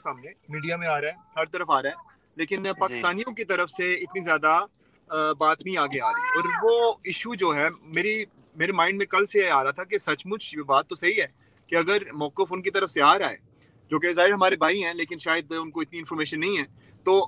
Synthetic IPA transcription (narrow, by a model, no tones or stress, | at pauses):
saːmnẽmiːɖijamẽaːɾaɛhɐɾt̪ɐɾəfaːɾaɛː | leːkɪnpaːkkɪ̥st̪aːnijõkit̪ɐɾəfseɪt̪nizjaːd̪a | baːt̪nɐɦĩaːɡeaːɾɐiɔːɾʋoːɪʃud͡ʒoːɦɛːmeːɾi | meːɾemãːɪ̃ɳɖmẽkɐlseeaːɾɐɦat̪ʰak̬esɐt͡ʃmʊd͡ʒbaːt̪ːosɐɦiɦɛː | keɐɡəɾmɔːkəfʊnkit̪ɐɾəfseaːɾa̰ːḛː | d͡ʒoːk̬ezaːɦɪɾɦɐmaːɾebʱaːiɦɛ̃ːleːkɪnʃaːjəd̪ʊnkoɪt̪niɪ̃nfɔːɾmeːʃənːɐɦĩɦɛ̃ː | t̪oː